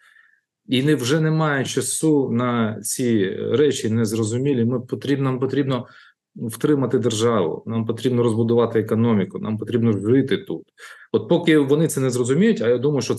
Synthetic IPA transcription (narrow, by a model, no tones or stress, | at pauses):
inɪwʒɛnɛmɑjɛt͡ʃɐsunɐt͡sʲiɾɛt͡ʃʲinɛzrɔzʊmʲilʲimɪpɔt̪ɾʲibnampɔt̪ɾʲibnɔ | wt̪ɾɪmɐt̪ɪd̪erʒɑʋʊ̰nɑmpɔt̪ɾʲibnɔɾɔzbʊd̪ʊʋɑt̪ɪekɔnɔmʲikʊnʔɑ̰mpɔt̪ɾʲibnɔʒɪt̪ɪt̪ut̪ɔt̪̚pɔkɪʋɔnɪt̪sɛnɛzrɔzʊmʲijʊtʲɐjad̪umɐjʊʃt͡ʃɔ